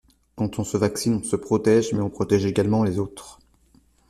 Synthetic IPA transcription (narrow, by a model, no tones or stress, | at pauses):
kɑ̃t̪ɔ̃səvaksinɔ̃səpχɔt̪ɛʒmɛɔ̃pχɔt̪ɛʒeɡalmɑ̃lezot̪χ